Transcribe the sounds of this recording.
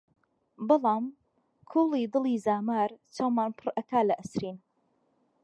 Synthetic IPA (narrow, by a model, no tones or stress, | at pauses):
bɑlˠɑːm | kʰuːlˠid̪ɨliːzaːmaːɾt͡ʃawmaːnpʰɨɾʔɐkaːlɐʔɐsɾiːn